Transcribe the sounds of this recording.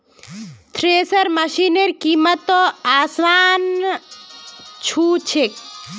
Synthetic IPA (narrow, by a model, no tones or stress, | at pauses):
t̪ʰɾeːsəɾmɐʃineɾkiːmət̪ɔaːsʋaːn | t͡ʃʰuːt͡ʃʰek̚